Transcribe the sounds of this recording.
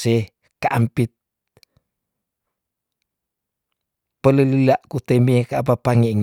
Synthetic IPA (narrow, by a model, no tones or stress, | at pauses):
e | kaʔampit̪̚ | pələlilaʔkut̪emiekaap̬apaŋeŋ